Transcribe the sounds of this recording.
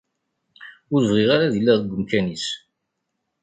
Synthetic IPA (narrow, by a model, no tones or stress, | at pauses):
ʊɾvʁɪʁaɾaðilːæðɡʷːəmkænis